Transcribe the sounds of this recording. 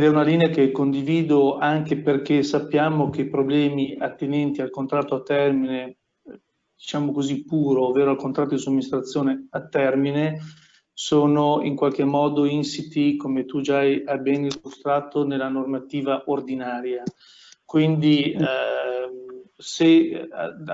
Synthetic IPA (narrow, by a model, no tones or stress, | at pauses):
d̪ɛunaliːneakekːond̪iviːd̪oaŋkeperk̟esapːjaːmok̟eipɾoblɛːmiat̪ːenɛnt̪ialkont̪ɾat̪ːoat̪ːɛrmine | d̪̥it͡ʃaːmokozipːuːɾoːvːeːɾoalkont̪ɾat̪ːod̪isuoamːinist̪ɾat̪sːjoːneat̪ːɛrmine | soːnoḭŋkwalk̟emːɔːd̪oinsit̪ikomet̪ud͡ʒaajabɛnilːust̪ɾat̪ːonelːanormat̪iːvaʔord̪inaːɾja | kwind̪i | se